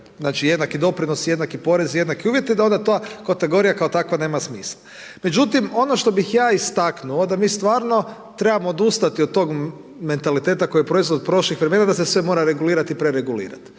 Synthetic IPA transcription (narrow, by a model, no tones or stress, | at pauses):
znaːt͡ʃije̞d̪nakid̪o̞pɾinosje̞d̪nakipo̞ɾe̞zje̞d̪nakiuːʋje̞t̪id̪ao̞nd̪at̪oakat̪e̞ɡo̞ɾijakaot̪akʋane̞ːmasmḭːsla | me̞d͡ʒut̪imo̞noʃt̪o̞bixjaːist̪aknuod̪amiːst̪ʋaːɾno̞ | t̪ɾe̞bamoːd̪ust̪at̪iod̪t̪ːo̞ɡ | me̞nt̪alit̪et̪ako̞jiepɾo̞izʋo̞d̪̚pɾo̞ʃlixʋɾeme̞nad̪asesʋe̞mo̞ɾaɾe̞ɡuliːɾat̪ipɾeɾeɡulḭːɾa̰t̪